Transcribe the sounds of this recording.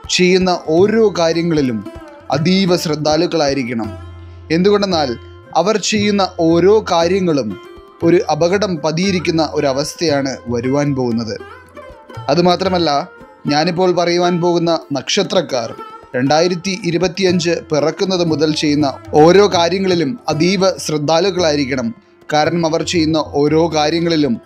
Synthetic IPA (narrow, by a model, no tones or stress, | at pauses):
t͡ɕe̞jːunːɐʔo̞ːɾo̞ːkaːɾjɐŋːɐɭilum | ɐ̰d̪iːʋɐɕrɐd̪ʱːaːlukːɐɭaːjiɾikʲːɐɳɐm | e̞nd̪uɣo̞ɳɖenːaːl | ɐʋɐrt͡ɕe̞jːunːɐʔo̞ːɾo̞ːkaːɾjɐŋːɐɭum | o̞ɾuʔɐbɐɣɐɽɐmpɐðijiɾik̬ʲːunːɐʔo̞ɾuɐʋɐst̪ʰɐjaːɳɨʋɐɾuʋaːnpo̞ːɣun̪ːɐðɨ | ɐðɨmaːt̪rɐmɐlːɐ | ɲaːnip̬ːo̞ːɭpɐrɐjuʋaːnpo̞ːɣunːɐnɐkʂɐt̪rɐkːa̰ːrɾe̞ɳɖaːjiɾɐt̪ːiʔiɾubɐt̪ːijɐɲd͡ʑɨpirɐkːunːɐðɨmuðɐlt͡ɕe̞jːunːɐo̞ːɾo̞ːkaːɾjɐŋːɐɭilumɐd̪iːʋɐɕrɐd̪ʱːaːluɣːɐɭaːjiɾikʲːɐɳɐm | kaːɾɐɳɐmɐʋɐrt͡ɕe̞jːunːɐʔo̞ːɾo̞ːkaːɾjɐŋːɐɭilum